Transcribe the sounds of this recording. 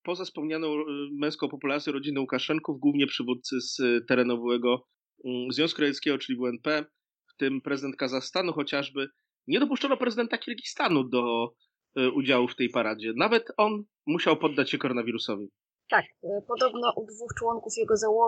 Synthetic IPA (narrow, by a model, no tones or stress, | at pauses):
pɔzafspɔmɲanɔ̃w̃mɛ̃w̃skɔ̃w̃pɔpulaɾt̪ʲjɔɾɔd͡ʑinɛwukaʂɛŋkuvɡwuvɲɛpʂɘvut̪̚t̪sɘst̪ɛɾɛnɔvɛɡɔ | zvʲjɔ̃skuɾajɛt̪skʲɛɡɔt͡ʂɘlʲivuɛnpɛ | ft̪ɘmpɾɛzɘd̪ɛnt̪̚kazaxst̪anuxɔt͡ɕaʐbɘ | ɲɛd̪ɔp̬uʂt͡ʂɔnɔpɾɛzɘd̪ɛnt̪akʲiɾɡʲist̪anud̪ɔ | ʔud͡ʑawuft̪ɛjpaɾad͡ʑɛnavɛt̪ɔn | muɕawpɔd̪ːat͡ɕɕɛkɔɾɔnavʲiɾusɔvʲi | t̪akpɔd̪ɔbnɔʔud̪vuxt͡ʂwɔŋkufjɛɡɔzawɔ